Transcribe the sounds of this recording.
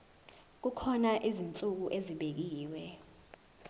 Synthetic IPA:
k̬ukʰɔnaʔizint͡sʼuk̬uʔeziɓek̬iːwɛ

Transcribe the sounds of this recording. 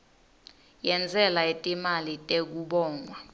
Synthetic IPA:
jɛnd͡zʱɛlaetʼimalitʼek̬uɓɔːŋwa

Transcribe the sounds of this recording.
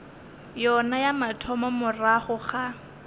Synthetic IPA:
jɔnajamatʰɔmɔmʊraχʊχa

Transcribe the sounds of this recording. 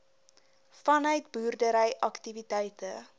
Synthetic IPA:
fɐnœɥt̚buːrdəɾɛjʔɐktivitɛjtə

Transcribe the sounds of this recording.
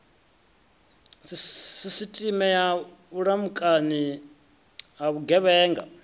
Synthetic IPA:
ssisitʼimɛja | uɺamukʼani | aβuɡɛβɛːŋɡa̰

